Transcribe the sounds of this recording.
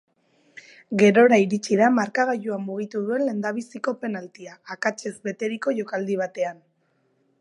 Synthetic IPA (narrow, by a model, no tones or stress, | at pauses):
ɡe̞ɾo̞ɾaiɾit͡ʃiðamaɾkaɣajuamuɣ̞it̪uðue̞nle̞nd̪aβ̞isiko̞pe̞nalt̪iaːkat͡ʃe̞zbe̞t̪e̞ɾiko̞ʝo̞kald̪iβ̞at̪e̞an